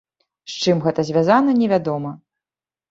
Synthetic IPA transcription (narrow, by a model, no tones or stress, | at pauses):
st͡ʂɨmɣɛt̪ɐzʲvʲazanɐnʲɛvʲad̪ɔmɐ